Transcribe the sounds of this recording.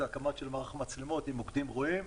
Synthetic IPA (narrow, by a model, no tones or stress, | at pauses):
akamatʃelmaʁaχmat͡slemo̞t̪imokd̪imʁoim